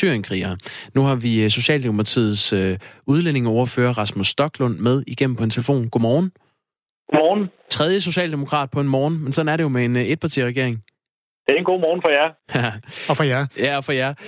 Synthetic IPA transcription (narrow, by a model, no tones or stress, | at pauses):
syɐjənkʰʁḭːɐnuhɑ̈ʋiso̝ɕɛ̰ːld̥eopʰɑ̈t͡sʰḭːð̩ˠsøuð̞ˠlene̝ŋɒɔʊɐfø̰ːɐʁɑ̈smusːd̥ɒ̽ɡ̥lɔ̽n̰með̞ˠiɡ̥em̰m̩pʰɒ̽e̝nt͡sʰe̝ləfo̝̰ːnɡ̥o̝mɒːn̩ | ɡ̥omɔːn̩ | t͡sʰʁɛð̞ˠjəs̬o̝ɕɛ̰ːld̥emo̝kʰʁɑ̰̈ːd̥̚pʰɒ̽e̝nmɒːn̩mensɒ̽n̩æɐɾejo̝mee̝ne̝d̥̚pʰɑ̈t͡sʰḭːʁɛɡe̝ɐe̝ŋ | d̥e̝enɡo̝̰ːmɒːn̩fɒjæ | fɒjæjæɒ̽fɒ̽jæɐ